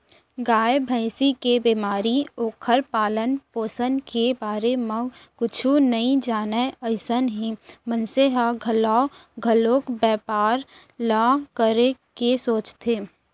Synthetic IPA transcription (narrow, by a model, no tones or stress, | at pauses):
ɡaːjbʱə̃ɪsikebiːmaːɾioːkʰəɾpaːlənpoːsənkebaːɾemẽkʊt͡ʃʰunɐɦĩd͡ʒaːneəɪsənɦĩmənseɦaɡʱəlaːoɡʱəloːkbɛːpaːɾ | lakəɾekesoːt͡ʃt̪ʰeː